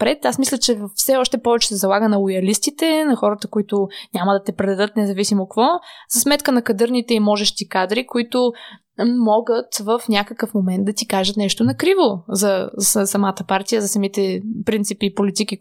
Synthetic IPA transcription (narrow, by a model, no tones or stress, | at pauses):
pɾɛt̪asmislʲət͡ʃɛvəfsɛɔʃt̪ɛpɔvɛt͡ʃɛ̥sɛzɐlˠaɡənɐlˠojɐlist̪it̪ɛnɐxɔɾət̪əkʊit̪ʊnʲaməd̪ɐt̪ɛpɾɛd̪ɐd̪ɤt̪nɛzɐvisimokvɔzɐsmɛt̪kənɐkɐd̪ɤɾnit̪ɛimɔʒɛʃt̪ikad̪ɾikoit̪ʊ | mɔɡət̪vəfnʲakəkəfmomɛnd̪̚d̪ɐt̪ikaʒət̪nɛʃt̪onɐkɾivozɐssɐmat̪əpaɾt̪ijəzɐsɐmit̪ɛpɾint̪sipipolit̪ik̟i